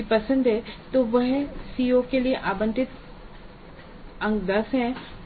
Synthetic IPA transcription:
ipɐsə̃nd̪ɦɛt̪oʋɐɦsiːokelieʔaːbə̃nʈ̪ɪt̪ | ɐ̃ŋɡd̪ɐsɦɛ̃

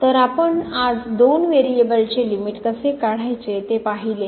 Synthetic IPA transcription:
t̪əɾapəɳad͡zd̪onʋeɾiebəlt͡selimiʈkəsekaɽ̤ajt͡set̪epaɦile

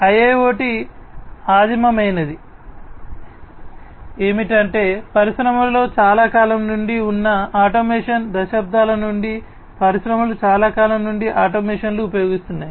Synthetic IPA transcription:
ɐjeːo̞ːʈi | aːd̪imɐmɐjnɐd̪i | e̞ːmiʈɐɳʈe̞ːpɐɾiʃɾɐmɐlo̞ːt͡ʃaːlaːkaːlɐmnuɳɖiunːɐaːʈomeːʂɐnd̪ɐʃaːb̚d̪ʱaːlɐnuɳɖi | pɐɾiʃɾɐmɐlut͡ʃaːlaːkaːlɐmnuɳɖiʔaːʈoːmeːʂɐnluːpɐjo̞ːɡist̪unːaːji

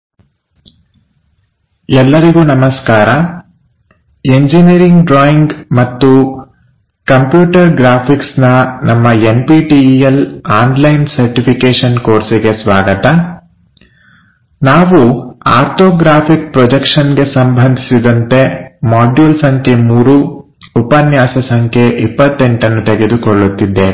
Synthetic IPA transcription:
ɛlːɐɾiɡuːnɐmɐskaːɾɐ | eɲd͡ʒiniɾiŋɡɖɾaːjiŋɡmɐt̪ːu | kɐmpjuːʈɐɾɡɾaːpʰiksnɐnɐmːɐempiːʈielaːnlɐjnsɐɾʈipʰikeːʂɐnkoːɾsiɡesʋaːɡɐt̪ɐ | naːʋuaːɾt̪ʰoːɡɾaːpʰik̚pɾɔd͡ʒekʂɐnɡe̞sɐmbʱɐnd̪ʱisid̪ɐnt̪e̞maːɖjuːlsɐŋkʰe̞muːɾuː | pɐnjaːsɐsɐŋkʰeʔipːɐt̪ːe̞ɳʈɐnːut̪eɡe̞d̪ukoɭːut̪ːid̪ːe

